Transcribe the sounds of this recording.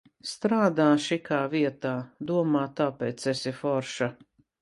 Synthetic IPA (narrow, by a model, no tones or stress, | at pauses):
st̪ɾaːd̪aːʃikaːviɛt̪aːd̪uɔmaːt̪apɛːt̪sesifɔɾʃa